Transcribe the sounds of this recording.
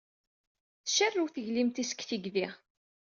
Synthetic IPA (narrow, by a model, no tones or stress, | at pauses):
θə̥ʃərːuwθəʝlimt̪isə̥kθiɡðiʁ